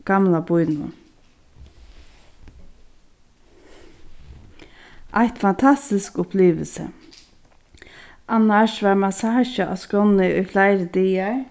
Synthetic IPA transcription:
ɡ̥amlabʊjnʊ̰ | ʔajht̪fant̪ʰast̪ɪskʊpʰliːʋəlsə̰ | ʔanːaʃʋaɹmasaːʃəʔa̰skɔnɪʊjflaɪɾəd̪iːa

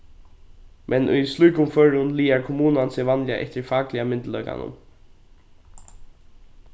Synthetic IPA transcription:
mʔɛnʔʏ̰jslujkʊmfœɹʊnliːaɹkʰʊmuːnansɛʋanlja̰ʔɛ̰ht̪ɪɹfaːklɪamɪnt̪lœʏka̰nʊ̰m

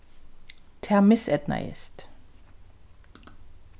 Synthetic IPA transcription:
t̪ʰɛmɪsɛd̪na̰ɪ̰st̪

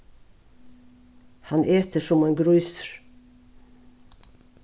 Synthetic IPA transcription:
hɑnʔeːt̪əʃʊmeːnɡɾʉʏsəɾ

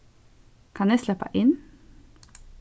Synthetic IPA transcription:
kʰɑneːslɛpɑ̰ʔɪn

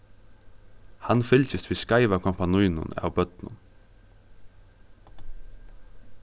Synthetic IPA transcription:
hanfɪlcɪst̪ʋiːskaɪʋakʰɔmpanujnʊ̰na̰wbœt̪nʊ̰n

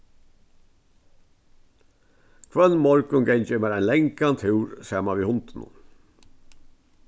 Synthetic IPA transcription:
kʰʋœnmɔɾkənɡɛɲcəmeːɾæɪnlɛŋkant̪ʰhʉːɾsæːmaʋiːhʊnt̪nṵ

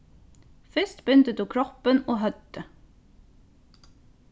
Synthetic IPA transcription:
fɪst̪bʏnt̪əd̪uːkʰɹɔpənoːhœd̪ə

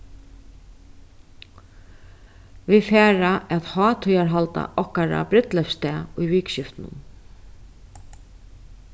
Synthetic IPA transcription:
vifɛːɾaʔɛðhɔːt̪ʰʏjaɹɦalt̪a̰ʔɔhkaɾa̰bɾɪt̪lɛfst̪ɛːʊjviːkɕɪft̪nʊ̰n

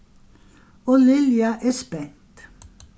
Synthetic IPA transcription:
ɔlɪljaʔɛːspɛnt̪

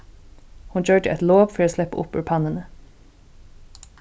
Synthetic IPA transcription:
hʊnc͡çøːʈəʔɛt̪loːʋfɔɾoːslɛpə̰ʔʊ̰pʉ̰ːɾpʰɑnənə

